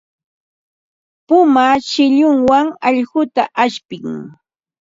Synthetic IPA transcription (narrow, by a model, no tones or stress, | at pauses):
pʊmaʃɪʎʊŋwaŋɑʎɢʊt̪aʔaʃpɪŋ